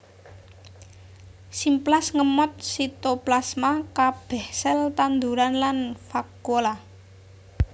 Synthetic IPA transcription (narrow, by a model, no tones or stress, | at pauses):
simplasŋəmɔt̪̚sit̪oplasmakab̥ɛhsɛlt̪and̪uɾanlanfakola